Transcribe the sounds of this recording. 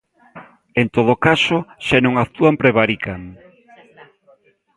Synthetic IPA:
ent̪oð̞okasoʃanõŋakt̪uampɾeβaɾikaŋ

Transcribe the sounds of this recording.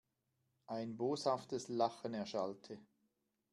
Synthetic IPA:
ʔaɪnboːshaftəslaχənɛɐʃaltʰə

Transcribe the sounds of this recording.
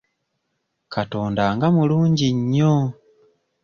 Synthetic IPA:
kʰatoːndaŋɡamuluːɲɟiɲːo

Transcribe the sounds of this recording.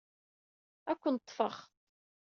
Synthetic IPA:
ækʷːənt̪ˤːfəχ

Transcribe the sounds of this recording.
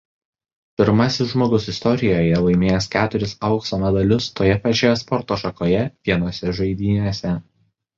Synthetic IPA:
pʲɪɾmɐsʲɪsʒmoːɡʊsɪst̪ɔɾʲɪjoːjɛlˠɐɪmʲeːjɛskʲæːt̪ʊɾʲɪsɐʊksoːmʲɛd̪ɐlʲʊst̪oːjɛpɐt͡ʃʲoːjɛspɔɾt̪oːʃɐkoːjɛʋʲiɛnoːsʲɛʒɐɪd̪ʲiːnʲeːsʲɛ

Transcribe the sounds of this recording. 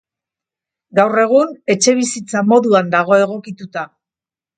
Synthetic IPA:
ɡawre̞ɣ̞une̞t͡ʃe̞β̞isit͡samo̞ðuand̪aɣ̞o̞e̞ɣ̞o̞kit̪ut̪a

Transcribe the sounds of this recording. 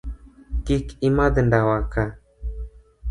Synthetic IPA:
kikimad̪əɳɖawaka

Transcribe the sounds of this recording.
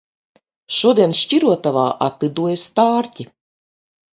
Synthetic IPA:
ʃuɔd̪iɛnʃt͡ʃiɾuɔt̪avaːʔat̪lid̪uɔjast̪aːɾtʲi

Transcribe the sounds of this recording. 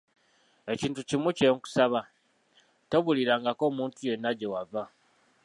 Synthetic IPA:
e̞ciːntucimuceŋku̥saβa | to̞βuliɾaːŋɡako̞ːmuːntuje̞nːaɟe̞wava

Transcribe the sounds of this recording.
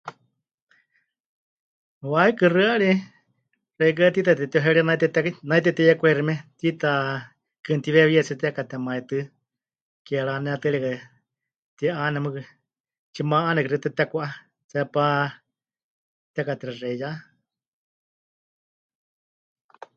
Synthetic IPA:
waikɨrɨaɺi | rɛik̬ɨat̪it̪at̪ɛt̪ioɦɛɺianait̪ɛt̪ɛnait̪ɛt̪ɛjɛkʷɛɾimɛt̪it̪a | kɨnt̪iβɛβiɛt͡sɛt̪ɛkat̪ɛmaɛt̪ɨ | kɛɺanɛat̪ɨɺɛkɨ | t̪iɛʔanɛmɨkɨ | t͡ʃimaʔanɛkɨrɨt̪ɨt̪ɛkʷaʔa | t͡sɛpa | t̪ɛkat̪ɛɾɛrɛja

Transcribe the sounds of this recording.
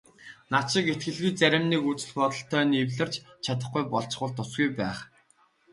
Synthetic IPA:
naʃɪ̆ket̪̚ɡɘ̆ɮɣiːt͡sæɾʲɪ̆mniːkut͡sɘ̆ɮpɔt̪ɞ̆ɬt̪ʰːœːniwɮɘ̆rt͡ɕt͡ɕʰat̪ə̆χɡujpɔɮt͡ɕ̆ɢʊːɮt̪ʰːʊsɡujpæːχ

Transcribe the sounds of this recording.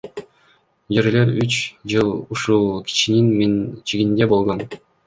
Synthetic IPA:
d͡ʒeɾleɾyt͡ʃd͡ʒɯlˠuʃulˠkʲʰi̥t͡ʃininmint͡ʃiɡind̪e̞bo̞lˠʁon

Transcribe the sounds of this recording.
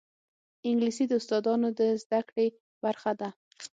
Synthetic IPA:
ɪŋɡlisid̪əʊst̪ɑd̪ɑnod̪əzd̪akɽe | b̥aɾxad̪a

